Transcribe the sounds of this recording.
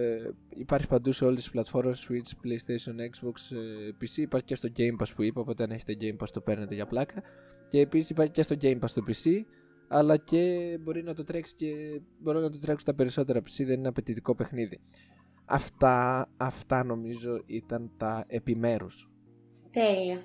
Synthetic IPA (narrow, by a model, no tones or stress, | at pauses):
ipɐɾçi̥pɐnd̪use̞o̞lisi̥plɐt̪fo̞ɾmesswit͡ʃplejst̪esionekzbokspisiːpɐɾçicest̪o̞ɟe̞jmpɐspuipeo̞po̞t̪e̞ɐne̞çe̞t̪e̞ɟe̞impɐst̪ope̞ɾnet̪e̞ʝɐplɐkɐ | ce̞ːpisisipɐɾçicest̪oɟe̞impɐst̪opisi | ɐlɐce̞bo̞ɾinɐt̪o̞t̪ɾe̞ksi̥ce̞bo̞ɾinɐt̪ot̪ɾe̞ksi̥t̪ɐpe̞ɾiso̞t̪e̞ɾɐpi̥siðe̞nineɐpe̞t̪it̪iko̞pe̞xniði | ɐ̰ft̪ɐːft̪ɐno̞mizo̞ʔit̪ɐnt̪ɐe̞pime̞ɾus | t̪eliɐ